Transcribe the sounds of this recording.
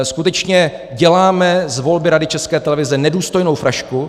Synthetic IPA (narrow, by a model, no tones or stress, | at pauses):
skut̪ɛt͡ʃɲɛ | ɟɛlaːmɛzvo̞lbɪɾadɪt͡ʃɛskɛːt̪ɛlɛvɪzɛnɛduːst̪ojno̞wfɾaʃku